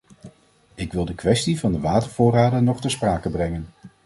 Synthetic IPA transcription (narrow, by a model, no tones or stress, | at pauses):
ɪkʋɪlˠdəkʋɛstivɑndəʋaːtəɹv̥ʊːraːdənɔχtəspraːkəbrɛŋən